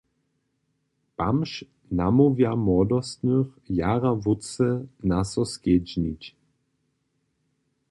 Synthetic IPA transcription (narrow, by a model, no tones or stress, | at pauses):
pamʃ | namovjamɔd̪ɔst̪nøxjaʁavut͡sɛnasɔsked͡ʒnit͡ɕ